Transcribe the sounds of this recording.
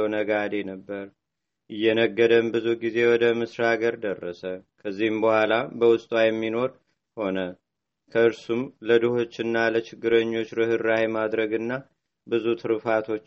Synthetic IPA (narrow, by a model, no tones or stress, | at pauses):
wnəɡad̪enəbːəɾ | ʔɨjːɛnəɡːəd̪əmbɨzuɡize̞wɔd̪əmɨsɾaɡəɾd̪ərːəsəkʰəzːihɨmbəhʷalabəwʊst̪ʼwajɛmːino̞ɾ | ho̞nə | kʰəɨɾsumləd̪ɨho̞t͡ʃːɨnːalət͡ʃɪɡːɨɾəɲːo̞t͡ʃːɾɨhɨɾːawimad̪ɾəɡɨnːa | bɨzut̪ʰɨɾɨfat̪ʰo̞t͡ʃː